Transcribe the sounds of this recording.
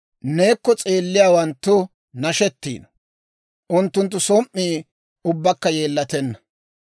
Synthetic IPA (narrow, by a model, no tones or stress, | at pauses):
ne̞ːkːɔt͡sʼeːlːɪjaːwɐnt̪ːʊ | nɐʃɛt̪ːḭːnɐ | ʔʊnt̪ːʊnt̪̬ːʊsɔmmːiː | ʊbːɐkːɐje̞ːlːɐt̪ɛnːɐ